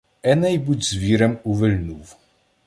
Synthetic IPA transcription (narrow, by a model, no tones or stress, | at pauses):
ɛnɛjbud͡ʑzvʲiɾɛmuvɘlnuv